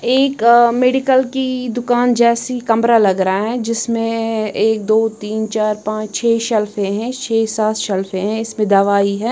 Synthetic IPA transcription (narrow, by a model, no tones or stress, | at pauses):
eːkmeːɖɪkəlkid̪ʊkaːnd͡ʒɛːsikɐmɾalɐɡɾɐaɦɛd͡ʒɪsmẽeːk̚d̪oːt̪iːnt͡ʃaːɾpãːt͡ʃt͡ʃʰeːʃɐlfẽɦɛ̃t͡ʃʰeːsaːt̪ʃɐlfẽɦɛ̃ɪsmẽd̪aʋaːiɦɛː